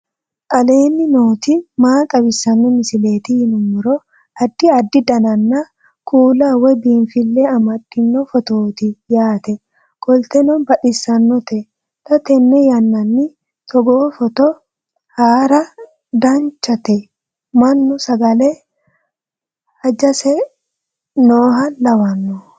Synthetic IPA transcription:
tʼɐle̞ːnːɪnoːt̪ɪmaːkʼɐbɪsɐnːɔmɪsɪle̞ːt̪ɪhɪnʊmɔɾɔ | ɐd̪ːɪɐd̪ːɪd̪ɐnɐnːɐ | kʰuːlawɛbiːnfɪlːɛɐmɐdːɪnːɔfɔt̪oːt̪ɪjaːt̪ɛ | ɡ̥ɔlt̪ɛnɔnbɐᶑɪsːɐnːɔt̪ɛ | t̪ɐt̪ɛnːɛjɐnːɐnːɪ | t̪ʰɔɡoːfɔt̪ɔ | haːɾɐ | d̪ant͡ʃːɐt̪ɛ | mɐnːʊsɐɡɐleː | hɐd͡ʒɐsɛ | noːɦɐnlɐwɐnːɔ

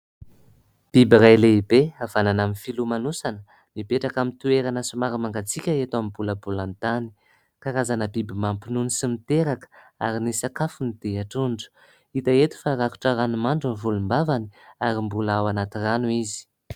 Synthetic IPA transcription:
b̥ibiɾajleibeav̥ananaminfilumanusanə | mipeʈ͡ʂakamint̪ueɾanəsumaɾimaŋɡat͡sikʲəet̪amibuləbulant̪ani̥ | kaɾazanəbibimampinunisimit̪eɾakə̥a̰ɾinisakafunid̪̥eaʈ͡ʂuɳɖ͡ʐə̥ | it̪aet̪u̥faɾaku̥ʈ͡ʂaɾanumaɳɖ͡ʐunvulumbavaniaɾimbulawanat̪iranuizi̥

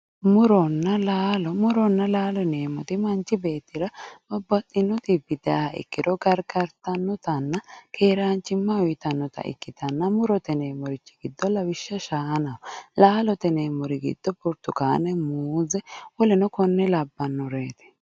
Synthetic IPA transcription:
mʊɾɔnːɐlaːlɔmʊɾɔnːɐlaːlɔne̞ːmɔt̪ɪmɐnt͡ʃːɪbe̞ːt̪ːɪɾɐʔɔbːɐt̪ʼːɪnːɔt̪ɪbɪd̪hɐɪ̰kːɪd̪ɔɡɐɾɡɐɾt̪ɐnːɔt̪ɐnːɐkʰeːɾaːnt͡ʃːɪmːɐɔjt̪ɐnːɔt̪ɐ̰ʔɪ̰kːɪt̪ɐnːɐmʊɾɔt̪ɛne̞ːmɔɾɪt͡ʃːɪ̥ɡɪd̪ːɔlɐwɪʃːɐʃaːnɐɔlaːlɔt̪ɛneːmɔɾɪɡɪ̰d̪̥ːɔbʊɾt̪ʊkaːnɛmuːzɛwɔlɛnɔkɔnːɛlɐbːɐnːɔɾeːt̪ɛ̥

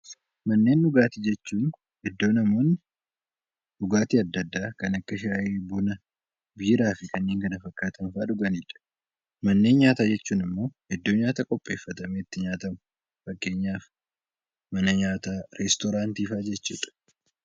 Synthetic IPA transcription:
mɐnːe̞ːnːʊɡaːt̪iːd͡ʒɛt͡ʃːuːn | hɛd̪ːo̞ːnɐmo̞ːnːɪ | ʔʊɡaːt̪iːɐd̪ːɐd̪ːaːkɐnɐkːɐʃɪaːʔeːbʊnɐ | biːɾaːfɪkɐnːe̞ːŋkɐnɐfɐkːaːt̪ɐnfaːᶑʊɡɐniːᶑɐ̥ | mɐnːe̞ːnɲaːt̪aːd͡ʒɛt͡ʃːuːnɪmːo̞ːhɛd̪ːoːɲaːt̪aːkʼɔpʼːe̞̰ːfːɐt̪ɐmeːɪt̪ːɪɲaːt̪ɐmʊ | fɐkːe̞ːɲːaːf | mɐnɐɲaːt̪aːɾɛst̪ɔɾaːnt̪iːfaːd͡ʒɛt͡ʃːṵːᶑɐ̥

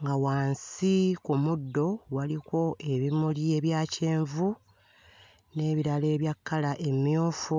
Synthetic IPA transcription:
ŋɡawaːnsikumudːo̞waliko̞ʔe̞βimulie̞βjaːce̞ːɱvu | ne̞ːβiɾale̞ːβjakʰːalaʔe̞mjoːfu

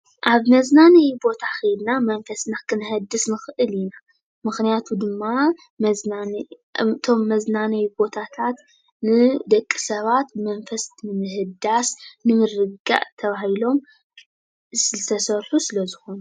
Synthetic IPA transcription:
ʔaβmɐznanɐjbo̞t̪ʰaxɨjd̪namɐnfɐsnakʰɨnɨhɐd̪ːɨsnɨxɨʔɨlina | mɨxnijat̪ʰud̪ɨmːa | ma | t̪ʰo̞mːɐznanɐjbo̞t̪ʰat̪ʰat̪ | nɨd̪ɐkʼːi̥sɐβat̪mɐnfɐst̪nɨmɨhɨd̪asnɨmɨrɨɡa̰ʔt̪ʰɐβahilo̞m | sɨɨt̪ʰɐsɐɾħusɨlɐzɨxo̞nu

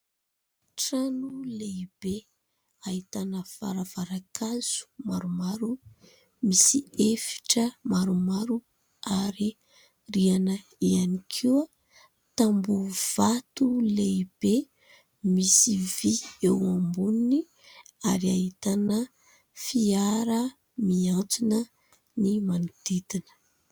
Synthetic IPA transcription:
ʈ͡ʂanuleib̥e | aɦit̪anəfa̰ɾav̥aɾakʰaz̥u̥maɾumaɾu | misiefi̥ʈ͡ʂəmaɾumaɾu | aɾi | rianə | ianikʰiwa | t̪ambuv̥at̪uleib̥e | misiviewambunini | aɾiaɦit̪anə | fiaɾə | miant͡sinə | nimanud̪it̪inə̥

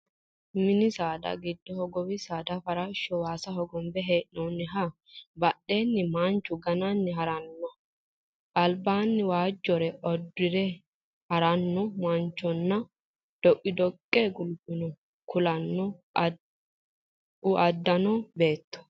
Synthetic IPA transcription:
mɪnɪsaːd̪ɐ̰ɡɪd̪ːɔhɔɡɔwɪsaːd̪ɐfɐɾɐʃːɔwaːsɐɦɔɡɔmbɛɦeːʔnɔnːɪɦɐ | bɐɗe̞ːnːɪmaːnt͡ʃːʊɡɐnanːɪɦɐɾɐnːɔ | ʔɐlbaːnːɪwaːd͡ʒːɔɾɛɔd̪ːɪɾɛ | hɐɾɐnːɔmant͡ʃːɔnːɐ | d̪̥ɔʔʼɪd̪ɔkʼːeɡʊlbɪnɔ | kʊlɐnːɔ | ʊɐd̪ːɐnɔbe̞ːt̪ːɔ̥

